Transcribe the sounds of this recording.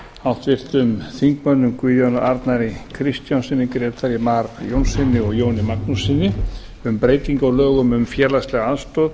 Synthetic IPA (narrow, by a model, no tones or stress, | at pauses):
awht̪vɪr̥t̪ʏmθiŋkmœnːʏmkviːðjɔnaʔaɾt̪naɾɪkʰɾɪst̪jansɪnːɪkɾjɛt̪ʰaɾjɪmaɾjownsɪnːɪɔɣjoːwnɪmaknusɪnːɪ | ʏmpɾeːjt̪iŋkɔlœːɣʏmʏmfjɛːlastlɛɣaaðst̪ɔːð